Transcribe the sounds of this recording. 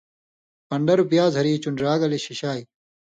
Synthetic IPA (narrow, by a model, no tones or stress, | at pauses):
pɐɳɖɐɾubjaːzʱɐɾiːt͡ɕunɖɾaːɡɐleɕiɕaːi